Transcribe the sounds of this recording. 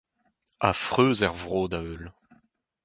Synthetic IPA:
a̰fχøːzɛʁvʁoːd̪aøl

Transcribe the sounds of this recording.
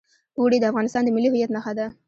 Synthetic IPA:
uɽid̪əafɣɑnɪst̪ɑnd̪əmɪlːiɦɪjat̪naxad̪a

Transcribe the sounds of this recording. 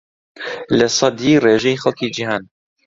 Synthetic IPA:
lɛsˤɑd̪iːreːʒɛjixɛlkiːd͡ʒihaːn

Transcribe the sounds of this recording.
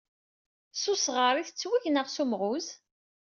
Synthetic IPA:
sʊsʁəɾˤiθət͡sːwiʝnəʁsumʁuz

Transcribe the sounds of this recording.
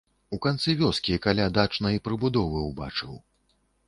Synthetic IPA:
ukant̪sɨvʲɔskʲikalʲad̪at͡ʂnɐjipɾɨbud̪ɔvɨwba̰t͡ʂɨw

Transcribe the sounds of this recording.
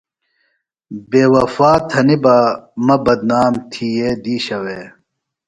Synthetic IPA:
beːwɐfaːt̪ʰɐnibaːmɐbɐd̪naːmt̪ʰijeːd̪iːɕɐweː

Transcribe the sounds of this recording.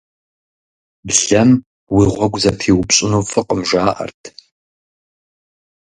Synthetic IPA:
bɮɐm | wiːʁʷɔɡʷzɐtʰiːwʊpɕʼɪnoːfɨqʼəmʒaːʔɐ̰rtʰ

